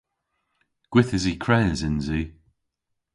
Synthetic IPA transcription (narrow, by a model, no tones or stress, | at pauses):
ɡ̥wɪθɪzikʰɹɛnzɪnziː